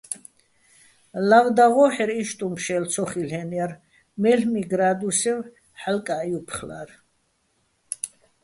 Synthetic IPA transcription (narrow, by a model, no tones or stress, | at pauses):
lavd̪aʁɔħɛɾiʃt̪ʼumpʰʃɛlsʰɔχilɛnaɾ | mɛɬmiɡɾad̪usɛv | ħalkʼajupʰχla̰ɾ